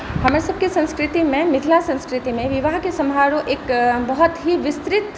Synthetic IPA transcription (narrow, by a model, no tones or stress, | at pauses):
hɐmaɾesɐb̚kisɐ̃nskɾɪt̪imẽmɪɦ̪lasɐ̃nskɾɪt̪imẽʋɪʋaɦkesɐ̃mʱaːɽõʔeːkbɐɦɔt̪ɦiʋɪst̪ɾɪt̪